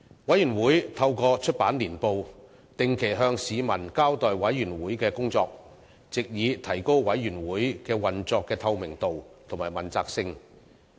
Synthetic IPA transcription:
wɐ˨˥jyː˨˩nwuː˨˥jt̪ʰɐ˧wkɔː˧t͡ʃʰɵ˥t̚paː˨˥nliː˨˩npo˨w | t̪ɪ˨ŋkʰe˨˩jɦœː˧ŋsiː˨˧mɐ˨˩nkaː˥wt̪ɔː˨jwɐ˨˥jːyː˨˩nwuː˨˥jkɛː˧kʊ˥ŋt͡sɔː˧k̚ | t͡sɪ˨k̚jiː˨˧t̪ʰɐ˨˩jko˥wwɐ˨˥jɥyː˨˩nwuː˨˥jkɛː˧wɐ˨˩nt͡sɔː˧kːɛː˧t̪ʰɐ˧wmɪ˨˩ŋt̪o˨wt̪ʰʊ˨˩maː˨˩mɐ˨˩nt͡saː˧k̚sɪ˧ŋ

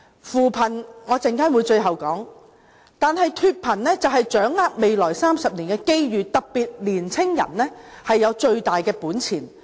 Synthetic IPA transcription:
fuː˨˩pʰɐ˨˩nŋɔː˨˧t͡sɪ˨ŋkaː˥nwuː˨˧jt͡ʃɵ˧ɥɦɐ˨wkɔː˨˥ŋ | t̪aː˨nɦɐ˨jt̪ʰyː˧t̚pʰɐ˨˩nlɛː˥t͡sɐ˨whɐ˨jt͡ʃœː˨˥ŋːaː˥k̚me˨˧jlɔː˨˩jsaː˥msɐ˨p̚liː˨˩nkɛː˧ke˥jɥyː˨t̪ɐ˨k̚piː˨t̚liː˨˩nt͡sʰɪ˥ŋjɐ̰˨˩nlɛː˥ | hɐ˨jːɐ˨˧wt͡ʃɵ˧ɥt̪aː˨jkɛː˧puː˨˥nt͡sʰiː˨˩n

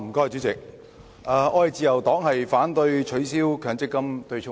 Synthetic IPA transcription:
m̩˨˩kɔː˥˨t͡ɕy˨˥t͡sɪ˨k̚ | ʔɐː˨˧ʔɔː˧jɐ˨jt͡siː˧jɐ˨˩wt̪ɔː˨˥ŋhɐ˨jfaː˨˥nt̪ɵ˧ɥt͡ʃʰɵ˨˥ɥsiː˥wkʰœː˨˩ŋt͡sɪ˥kːɐ˥mt̪ɵ˧ɥt͡ʃʰʊ˥

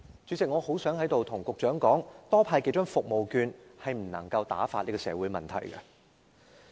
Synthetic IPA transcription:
t͡ʃy˨˧˥t͡sɪ˨k̚ŋɔː˨˧ho˨˥wsœː˨˥ŋhɐ˨˥jt̪o˨wt̪ʰʊ˨˩ŋkʊ˨k̚t͡ʃœː˨˥ŋkɔː˨˥ŋt̪ɔː˥pʰaː˧jke˨˥jt͡ʃœː˥ŋfʊ˨k̚mo˨wkyː˧nhɐ˨jm̩˨˩nɐ̰˨˩ŋkɐ˧wt̪aː˨˥faː˧t̚li˥kɔː˧sɛ̰ː˨˥wuː˨˥jmɐ˨nt̪ʰɐ˨˩jɡɐ̰˧

